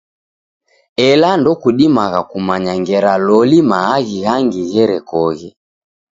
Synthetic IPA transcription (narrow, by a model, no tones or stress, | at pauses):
ɛlandɔkuɗimaɣakumaɲaŋɡɛɾalɔlimaːɣiɣaŋɡiɣɛɾɛkɔɣɛ